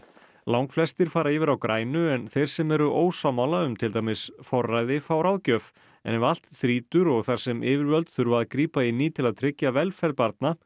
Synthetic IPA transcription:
lawŋkflɛst̪ɪɾ̥faːɾaivɪɾawkɾʔaːjnʏɛnθejɾ̥sɛmɛɾʏʔoːwsamawlaʏmt̪ʰɪlt̪ajmɪsfɔrːajðɪfawɾawðcœf | ɛ̰nɛval̥t̪θɾiːt̪ʏɾɔɣθaɾ̥sɛmʔɪːvɪɾvœlt̪θʏɾvaðkɾiːpainiːt̪ʰɪlaðt̪ʰɾɪcjavɛlfɛlpaɾt̪̚na

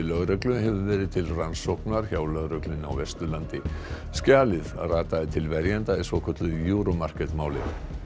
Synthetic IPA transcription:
lœɣɾœklʏhɛvʏvɛːɾɪðt̪ʰɪlransowhknaɾ̥çaːwlœɣɾœklɪna̰wvɛst̪ʏlant̪ɪ | scaːlɪðaraːt̪aðɪt̪ʰɪlvɛɾjɛnt̪aɪsvɔkʰœt̪lʏjuːɾɔmar̥kɛt̪maːwlɪ̰

